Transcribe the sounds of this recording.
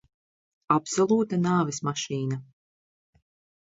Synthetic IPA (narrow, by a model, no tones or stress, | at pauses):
apsɔlˠuːt̪anaːvɛsmaʃiːna